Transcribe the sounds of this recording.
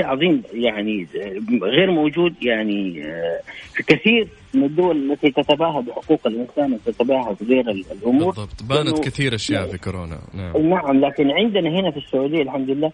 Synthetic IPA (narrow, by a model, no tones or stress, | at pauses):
ʕɑðˤiːmjaʕni | ɣeːɾmowd͡ʒuːd̪jaʕni | fikaθiːɾ | mɪnad̪ːʊwalalːat̪it̪at̪abaːɦabɪħʊ̥quːqalʔɪnsaːnwt̪at̪abaːɦab̪ɣeːɾallʔʊmuːɾɑbt̪ˤbaaːnaʊkɪθiːɾʔaʃja̰ːʔfikʊɾoːna̰nanaʕamlaːkɪnʕɪnd̪ɪnaɦɪnafisːʊʕuːd̪ɪjːalħamd̪ʊlɪlːaː